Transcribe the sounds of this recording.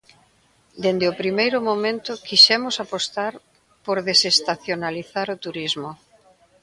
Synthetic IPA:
d̪end̪eopɾimejɾʊmomẽnt̪ʊkiʃɛmʊsapost̪aɾ | poɾðesest̪aθjonaliθaɾot̪uɾizmʊ

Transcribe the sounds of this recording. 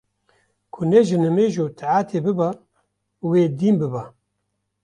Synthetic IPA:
kʰʊneʒɨnɐmeːʒoːt̪ʰaʕaːt̪ʰebɨba | weːd̪iːmbɨba

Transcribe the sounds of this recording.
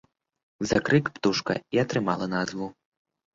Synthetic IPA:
zakɾɨkpt̪uʂkɐ̰iɐt̪ɾɨmalˠɐnazvu

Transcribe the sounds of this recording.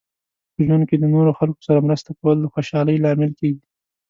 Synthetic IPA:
pəʒwand̪̚ked̪ənoɾoxalko̥saɾamɾəst̪akawəld̪əxoʃɑləjlɑmɪlkeɡi

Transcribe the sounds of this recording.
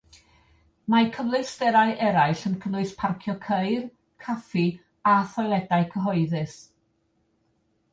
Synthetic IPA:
makʰəvlˠɨstɛɾaɨʔɛɾaɨɬənkʰəvlʊɨspʰarkʰjɔkʰeɨr | kʰafi | aθɔjlˠɛdaɨkʰəɦɔɨðɨs

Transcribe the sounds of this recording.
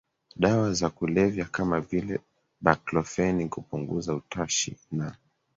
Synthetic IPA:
ɗawazakulɛvjakamavilɛ | ɓaklɔfɛnikupuŋɡṵzautaʃḭna

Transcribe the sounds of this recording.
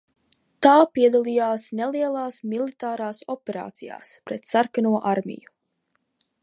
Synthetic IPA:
t̪aːpiɛd̪alˠijaːsneliɛlˠaːsmilˠit̪aːɾaːsɔpʲɛɾa̰ːt̪sija̰ːspɾɛt̪saɾkanuɔʔaɾmʲḭju

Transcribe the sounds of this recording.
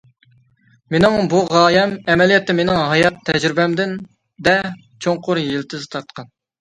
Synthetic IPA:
menɪŋbuʁɑːjɛmɛmɛlijɛt̪ːɛmenɪŋɦɑjɑt̪ʰːɛd͡ʒɾɪbɛmd̪ɪn | d̪ɛ | t͡ʃʰoŋqʰʊɾjilt̪ʰɪzt̪ʰɑt̪̚qʰɑn

